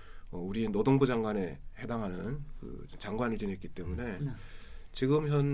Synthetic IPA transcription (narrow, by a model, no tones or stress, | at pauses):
ʌuɾienodoŋbud͡ʑaŋɡwane̞he̞daŋɦanɯnkɯ̰t͡ɕaŋɡwanɯɭt͡ɕinɦe̞t̚k͈it͈e̞mune̞ | t͡ɕiɡɯmçjʌn